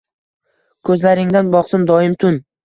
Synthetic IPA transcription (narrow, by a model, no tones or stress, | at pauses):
kʰɵzlaɾɪŋd̪anbɒqsɪmd̪ɒɪmt̪ʰʊn